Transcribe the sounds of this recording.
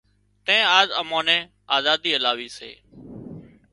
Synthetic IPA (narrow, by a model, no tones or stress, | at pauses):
t̪ẽːaːzəmõːnɛ̃ː | aːzaːd̪iːəlaːʋiːsḛː